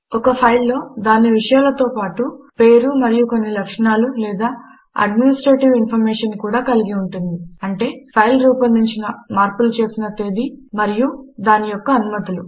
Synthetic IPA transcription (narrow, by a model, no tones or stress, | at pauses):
ɔkɐpʰɐjlːo̞ːd̪aːniʋiʂɐjaːlɐt̪o̞ːpaːʈupe̞ːɾumɐɾijuko̞nːilɐkʂɐɳaːlulɛːd̪aː | ɐ̰ɖminisʈɾe̞ːʈiʋinpʰɐɾmeːʂɐnkuːɽaːkɐliɡiuɳʈund̪iɐɳʈe̞ːpʰɐjlɾuːpɐnd̪iɲt͡ʃinɐmaːɾpulut͡ʃe̞ːsinɐt̪e̞ːd̪imɐɾijud̪aːnijɔkːɐːnumɐt̪ulu